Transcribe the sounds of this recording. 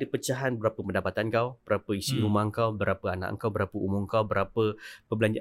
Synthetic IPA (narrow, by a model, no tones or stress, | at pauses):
dipət͡ʃaɦanbəɾapəpəndapat̪ankawb̥əɾapəisiɾumãŋkawbəɾapəana̰ʔə̰ŋkawbəɾapəumʊŋkawbəɾapəpəmbəlaɲd͡ʒa